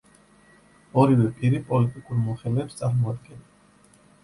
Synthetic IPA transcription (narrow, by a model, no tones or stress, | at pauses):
ɔɾivɛpʼiɾipʼɔlit̪ʼikʼuɾmɔχɛlɛːpst̪sʼaɾmɔad̪̚ɡɛn